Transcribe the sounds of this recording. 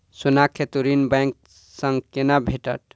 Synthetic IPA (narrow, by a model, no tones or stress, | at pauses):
sunakʰet̪uɾinbãŋk̚ | səŋɡkenabʱeʈə̰ʈ̚